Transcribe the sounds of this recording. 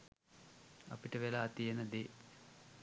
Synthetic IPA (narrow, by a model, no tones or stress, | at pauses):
ɐ̰piʈəʋelaːt̪ijenəd̪eː